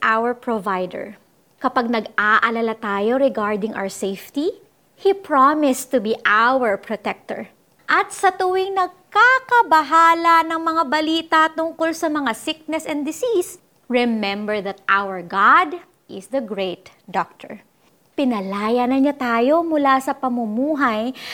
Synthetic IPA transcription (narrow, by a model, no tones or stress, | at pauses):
ʔawɛɹpɹovajd̪ɛ̰ɹ | kɐpaɡ̚nɐɡaʔɐlɐlat̪aːjo̞ɾɛɡaɹd̪ɪŋʔa̰wɛsejft̪i | hipɹamɪst̪ʊbiʔawɛɹpɹot̪ɛk̚t̪ɔ̰ɹ | ʔɐt̪̚sɐt̪ʊwɪŋnɐɡ̚kakɐbɐɦaːlɐnɐŋmɐŋabɐliːt̪ɐt̪ʊŋkolsɐmɐŋasɪk̚nɛsɛnd̪ɪsis | ɹɛmɛ̃mbɛɹðɐt̪̚ʔawɛɹɡad̪ | ʔɪsd̪ɐɡɹeɪt̪ | d̪ɔk̚t̪ʰɔ̰ɹ | pɪnɐlaːjanɐnɲat̪aːjo̞mʊlasɐpɐmʊmuːɦɐj